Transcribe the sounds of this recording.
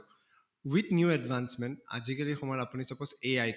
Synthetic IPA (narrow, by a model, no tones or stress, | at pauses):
wit̪njuɛɖvansmɛnʈa̰zikalixɔmɔjapunisɔposeaj